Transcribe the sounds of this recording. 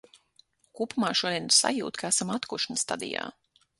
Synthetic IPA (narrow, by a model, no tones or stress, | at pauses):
kuːpumaːʃuɔd̪iɛnsa̰jṵːt̪kaæsamat̪kuʃnst̪a̰d̪ḭja̰ː